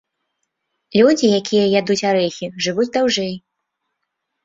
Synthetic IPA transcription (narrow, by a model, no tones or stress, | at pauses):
lʲud͡zʲijakʲijɐjad̪ut͡sʲaɾɛxʲiʐɨvud͡zʲd̪awʐɛj